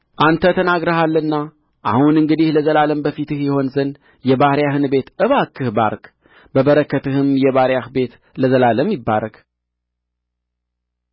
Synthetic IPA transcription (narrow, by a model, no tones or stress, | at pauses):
ʔant̪ʰət̪ʰənaɡɾəhalːənːa | ʔa̰hunɨŋɡɨd̪ihləzəlaləmbəfit̪ɨhjɛho̞nzən | jɛbahɾjahɨnbe̞t̪ʔɨβakːɨhba̰ɾk | bəβəɾəkːət̪ɨhɨmjɛβaɾjahbe̞t̪ | ləzəlaləmːɪbːa̰ɾəɡ